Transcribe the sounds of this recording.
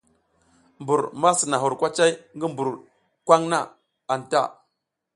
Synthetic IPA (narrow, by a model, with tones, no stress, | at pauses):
mbu˨ɾma˦si˨na˨ɦu˨ɾkʷa˦t͡ʃa˦jŋɡi˦mbu˨ɾ | kʷa˦ŋna˦˨ | a˨n˨ta̰˦˨